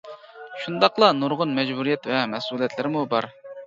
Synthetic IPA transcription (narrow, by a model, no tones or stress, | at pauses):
ʃund̪ɑqlˠɑnuɾʁʊnmɛd͡ʒbuɾijɛt̪vɛmɛsulˠijɛt̪ʰlɪɾmubɑɾ